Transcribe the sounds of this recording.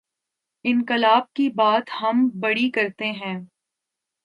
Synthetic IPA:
ɪ̃nkɪlaːb̚kibaːt̪hɐmbɐɽikɐɾt̪eɦɛ̃ː

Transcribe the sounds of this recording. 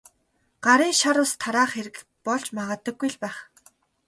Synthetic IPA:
ɢ̥aɾiːŋʃaɾʊːst̪ʰaɾaːχeɾɘ̆k | pɔɮt͡ɕmaʁə̆ːt̪ə̆ɡːujɮpæːχ

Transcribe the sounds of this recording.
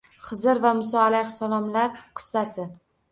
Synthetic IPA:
χɨzɪɾvamʊsɒalahsalɒmlaɾqʰɨ̥sːat̪ɪ

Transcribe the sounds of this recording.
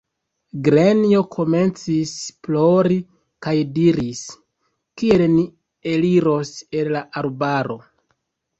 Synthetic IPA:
ɡɾenio̞kʰo̞me̞nt͡sisplo̞ɾi | kajdiɾis | kie̞lni | e̞liɾo̞se̞llaʔalbaɾo̞

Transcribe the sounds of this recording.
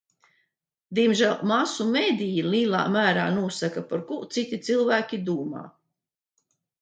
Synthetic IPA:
d̪iɛmʒælˠmasumeːd̪ijiliːlˠa̰ːmæːɾaːnuɔsakapaɾkut̪sit̪ʲit̪silˠvæːkʲid̪uːma̰ː

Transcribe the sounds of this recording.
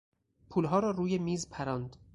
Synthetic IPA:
pʰuːlɦɒːɾɒːɾuːjemiːzpʰæɾɒːnd̪

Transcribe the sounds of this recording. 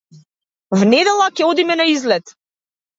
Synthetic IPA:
vnɛd̪ɛlˠakʲɛɔd̪imɛnaizlɛt̪

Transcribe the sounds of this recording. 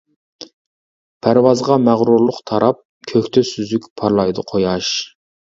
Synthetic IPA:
pʰæɾwɑzʁɑmæʁɾuɾlˠʊqt̪ʰɑɾɑp̚ | kʲʰøkʲt̪ʰɛsyzykʲpʰɑɾlˠɑjd̪ɨqʰojɑʃ

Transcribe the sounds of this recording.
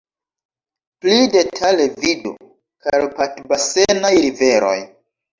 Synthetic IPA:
plide̞tʰalevidṵ | kalpatbase̞najɾive̞ɾo̞̰j

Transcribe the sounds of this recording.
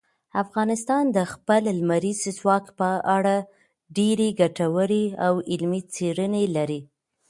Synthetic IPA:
afɣɑnɪst̪ɑnd̪əxpəllmaɾizzwɑkpəʔaɽa | ɖeɾeɡaʈawəɽiawɪlmit͡seɾənelaɾi

